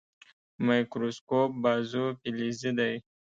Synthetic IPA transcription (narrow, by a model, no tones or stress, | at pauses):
majkɾoskop̚bɑzupilizid̪aj